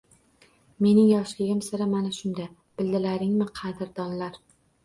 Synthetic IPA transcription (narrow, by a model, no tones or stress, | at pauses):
me̞nɪŋjɒʃlɪɡʲɪmsɪɾɪmanaʃʊnd̪a | b̥ɪld̪ɪlaɾɪŋmɪqʰɑd̪ɪɾd̪ɒnlaɾ